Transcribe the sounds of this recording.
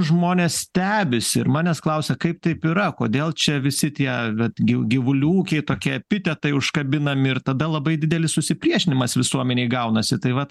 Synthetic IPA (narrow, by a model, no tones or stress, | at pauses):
ʒmoːnʲeːsst̪ʲæːbʲɪsʲɪɪɾmɑːnʲɛsklˠɐʊsʲɛkɐɪp̚t̪ɐɪpiɾɐkoːd̪ʲeːlˠt͡ʃʲɛʋʲɪsʲɪt̪ʲiɛʋʲɛt̪ɡʲɪɡʲɪʋʊlʲuːkʲɛɪt̪oːkʲiɛɐpʲɪt̪ʲɛt̪ɐɪʊʃkɐbʲɪnɐmʲɪɪɾt̪ɐd̪ɐlˠɐbɐɪd̪ʲɪd̪ʲɛlʲɪssʊsʲɪpʲɾʲiɛʃʲɪnʲɪmɐsʋʲɪsuɔmʲɛnʲɛɪɡɐʊnɐsʲɪt̪ɐɪʋɐt̪